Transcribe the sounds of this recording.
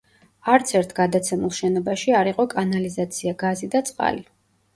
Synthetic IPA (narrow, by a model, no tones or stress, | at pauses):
aɾt̪sʰɛɾt̪ʰɡad̪at̪sʰɛmulˠʃɛnɔbaʃiaɾiqʼɔkʼanalizat̪sʰiaɡazid̪at̪sʼqʼa̰li